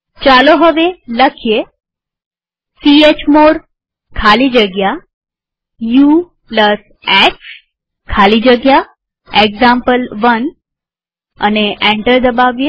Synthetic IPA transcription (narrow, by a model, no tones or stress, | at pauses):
t͡ʃaloɦəʋeləkʰije | siet͡ʃmoɾ | kʰalid͡ʒəɡja | ju | pləs | eks | kʰalid͡ʒəɡja | eɡzampəlʋən | ə̰neʔɛ̃ɳʈəɾd̪əbaʋje